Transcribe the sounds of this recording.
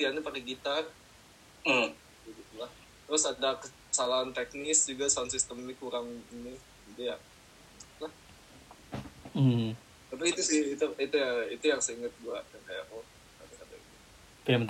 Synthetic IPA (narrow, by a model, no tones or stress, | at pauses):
t̪ianipaɾiɡit̪ar̩ | bəɡit̪ulah | t̪ɾʊsadakə | salaɦant̪ek̚nɪsd͡ʒuɡasaansist̪əminikuɾaŋini | idija̰ʔ | lah | m̩ | t̪ap̬iːt̪usɪhit̪uit̪ujait̪ujaŋsəiŋət̪̚ɡuaʔjaŋkaja̰ʔʔɔ | adakada̰ḭt̪u | pamə